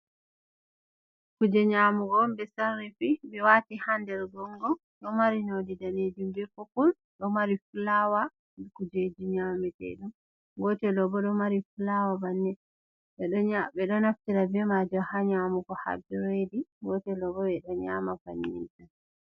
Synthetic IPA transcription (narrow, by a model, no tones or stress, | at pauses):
kud͡ʒɛɲamuɡɔmbɛsaɾːifimɛwatihandɛɾɡɔŋɡɔ | ɗɔmaɾinodidaned͡ʒumbɛfɔkul | ɗɔmaɾifulawa | mɛkud͡ʒed͡ʒiɲamɛtɛ̰ɗum | ɡɔtɛlɔbɔɗɔmaɾifulawabanːɛ | ɓɛɗɔɲabɛɗɔnaftiɾabɛmad͡ʒɔhaɲamuɡɔha̰d͡ʒɔɾediɡɔtɛlɔbɔɛɗɔɲamafa̰ɲːḭnta